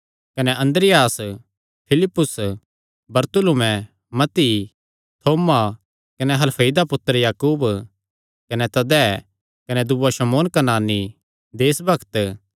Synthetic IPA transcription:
kɐnɛʔɐ̃nd̪ɾɪjaːs | pʰɪlɪpːʊs | bɐɾt̪ʊlumɛ̃ | mɐt̪ːi | t̪ʰoːma | kɐnɛɦɐlpʰeid̪apʊt̪ːəɾjaːkuːb | kɐnɛt̪ɐd̪ɛː | kɐnɛd̪uaʃɐmoːnkɐnaːni | d̪eːsbɐkʰt̪

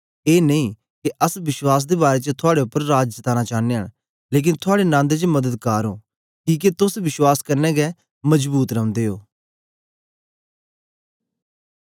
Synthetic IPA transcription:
eːneĩː | keʔəsʋɪʃwaːs̬d̪ebaːɾet͡ʃət̪ʰʊaːɽeʊpːəɾːaːd͡ʒst̪aːnat͡ʃaːneəɽ | leːk̬ɪnt̪ʰʊaːɽenãːnd̪et͡ʃəmɐd̪əd̪kaːɾoː | kiːk̬et̪ʊsʋɪʃwaːskɐɾnɛːɡɛ | mɐd͡ʒbuːt̪ɾɐʊ̃nd̪eːɦoː

